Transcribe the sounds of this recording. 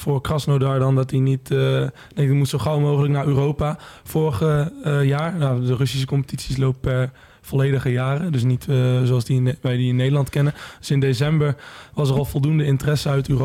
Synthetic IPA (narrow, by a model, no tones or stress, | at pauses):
fʊːɹkrɑsnowdaːɹdɑndɑtdinit | dɛmutsoχawmowχələknaːɹyːrowpafʊːɹχəjaːɹjadərɵsis̬əkɔmpə̥titsislowp̚pɛɹ | v̥ɔlejdəχəjaːrədɵs̬nitzoɑlˠsdiʋɛjdiɪnːejdəlɑntkɛnənd̥sɪndesɛmbəɹʋɑsərɑlˠvɔlˠdundəɪntərɛsəœɥtyːro